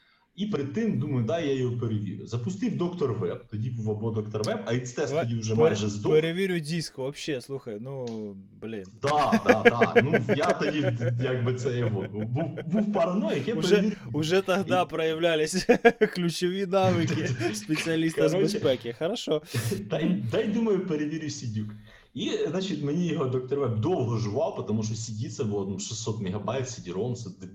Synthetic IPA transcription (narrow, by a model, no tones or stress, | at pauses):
ipɾɪd̪̚t̪ɪmd̪umɐjʊd̪ɑjajɔɦɔpeɾeʋʲḭɾʲʊzɐpʊst̪iwd̪ɔkt̪ɔrʋɛb̚t̪ɔdʲibuʋɐbɔd̪ɔkt̪ɔrʋɛbɐʋit̪st̪ɛʃtɔdʲiwʒɛmajʒɛzd̪peɾeʋʲiɾʲʊdʲiskʊʋɐpʃːɛslˠuxɐjnu | blʲɪnd̪ɑad̪̰nujat̪ɔdʲijaɡ̚bɪt̪sɛjɐɦɔbuwbuwpɐɾɐnɔjɐkɛʊʒɛiɾʊʐɛt̪ɐɣd̪apɾɐjɪvlʲælʲɪsʲklʲʉt͡ɕɪvɨjnaʋɨkʲɪspʲɪt̪sɨɐlʲist̪ɐzbɨspɛkʲɪxɐɾɐʂod̪ajd̪ajd̪uməjʊpəɾʲɪʋʲɪɾʲisʲɪdʲuk | iznat͡ɕɪt̪mnʲeɪɦod̪ok̚t̪ɐɾvap̚ʲd̪olˠɦəʐɨvɑlˠpɐt̪ɐmuʂ̬t̪osʲɪdʲit̪səbɨlˠt̪ɐmʂɨsːot̪mʲɪɣɐbajt̪sʲɪdʲɪɾomsɐt̪ɨ